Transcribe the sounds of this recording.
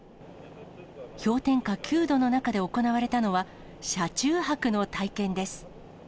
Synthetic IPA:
çʲo̞ːt̪ẽ̞ŋkakʲɨːd̪o̞no̞nakad̪e̞o̞ko̞naβaɾe̞t̪ano̞βa | ɕat͡ɕɨːɦakɯ̟no̞t̪aikẽ̞nd̪e̞sɨ̥

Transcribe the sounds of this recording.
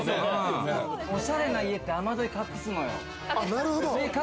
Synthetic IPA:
oɕaɾenaiet̪ːeamad̪oikakːɯsɯnojo̰ | naɾɯɦod̪oneka

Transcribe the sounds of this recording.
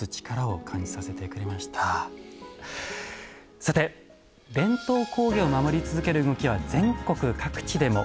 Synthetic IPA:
ɨt͡ɕi̥kaɾao̞kʰãɲ̟d͡ʑi̥sase̞t̪e̞kɯ̟ɾe̞maɕi̥t̪ʰa | sat̪e̞ | bẽ̞nt̪o̞ːko̞ːɡʲeomamo̞ɾʲit͡sɨzɨke̞ɾɯ̟ːɡo̞kʲiβ̞ad͡zẽ̞ŋko̞kɯ̟kakɯ̟̥t͡ɕid̪e̞mo̞

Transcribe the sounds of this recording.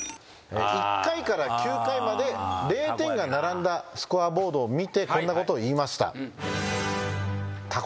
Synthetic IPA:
ḛikːaikaɾakʲɨːkaimad̪e̞ɾe̞ːt̪ẽ̞ŋɡanaɾãnd̪asɨ̥kɯabo̞ːd̪oːmʲit̪e̞kõ̞nːako̞t̪o̞ːiːmaɕi̥t̪a̰ | t̪ʰa

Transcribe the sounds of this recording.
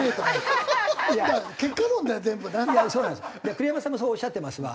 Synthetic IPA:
et̪oma | jamakekːanõnd̪ezẽ̞mbɯnajasoːnãnd̪sd͡ʑakɯ̟ɾijamasãmːos̬oːɕːat̪ːe̞masɨβa̰

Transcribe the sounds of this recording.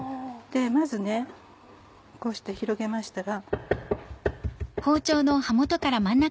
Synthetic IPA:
d̪̥e̞mazɨne̞ | ko̞ːɕi̥t̪e̞çiɾo̞ɡe̞maɕi̥t̪aɡa | ho̞ːt͡ɕo̞ːno̞hamot̪o̞kaɾamãnːa

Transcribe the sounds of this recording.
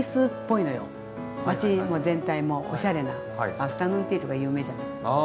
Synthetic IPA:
isɨpːo̞ino̞jo̰ | at͡ɕimo̞ːzẽ̞nt̪aimo̞ʔoɕaɾe̞na | aɸɯ̥t̪anoit̪eiɾoɡajɯ̟ːme̞ːd͡ʑanai

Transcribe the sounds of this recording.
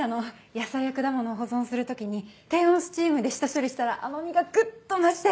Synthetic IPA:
ano̞ | jasajakɯ̟d̪amono̞ːɦo̞zõ̞ɰ̃sɨɾɯ̟t̪o̞kʲiɲ̟it̪ẽ̞ɰ̃õsɨ̥t͡ɕiːmɯ̟d̪e̞ɕi̥t̪aɕoɾʲiɕi̥t̪aɾaʔanoɲ̟iɡaɡɯ̟t̪ːomaɕi̥t̪e

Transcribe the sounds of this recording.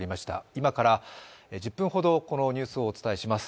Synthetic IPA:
ɾʲimaɕi̥t̪a̰imakaɾaed͡ʑɨpːɯ̃ɰ̃ɦo̞d̪o̞ko̞no̞ɲ̟ɨːsɨo̞ːt͡sɨ̥t̪aeɕimasɨ̥

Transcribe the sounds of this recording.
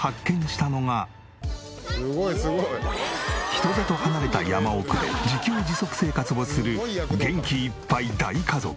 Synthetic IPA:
hakːẽ̞ɲ̃ɕi̥t̪ano̞ŋa | çi̥t̪o̞d̪at̪o̞hanaɾe̞t̪a̰jamao̞kɯ̟d̪e̞̰d͡ʑikʲoːd͡ʑiso̞kɯ̟̥se̞ːkat͡sɨbo̞̥sɨɾɯ̟ɡẽ̞ŋkʲiːpːaid̪aikazo̞̰kɯ̥

